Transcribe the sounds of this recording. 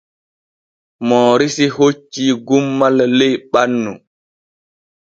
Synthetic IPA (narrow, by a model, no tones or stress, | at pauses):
mɔːɾisihot͡ʃːiːɡumːalːɛjɓanːu